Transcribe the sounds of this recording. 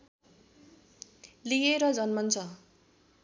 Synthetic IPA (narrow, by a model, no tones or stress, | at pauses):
lijeɾʌd͡zʌnmʌnt͡sʰʌ